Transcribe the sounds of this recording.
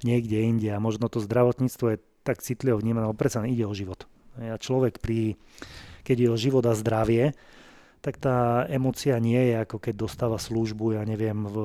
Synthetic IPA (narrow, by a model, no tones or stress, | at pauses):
ɲɪɛɡɟɛiɲɟɛamɔʒnɔt̪ɔzd̪ɾaʋɔt̪ɲiːt͡st̪ʋɔjɛ | t̪akt͡sit̪liʋɔvɲiːmanɛalɛbɔpɾɛt͡salɛniɟɛɔʒiʋɔt̪ | ɦɛjat͡ʃlɔʋɛkpɾi | kɛɟjɛɔʒiʋɔd̪azd̪ɾaʋɪɛ | t̪akt̪aːɛmɔːt͡siaɲɪɛjɛakɔkɛɟ̚d̪ɔst̪aːʋasluʒbujaɲɛʋɪɛm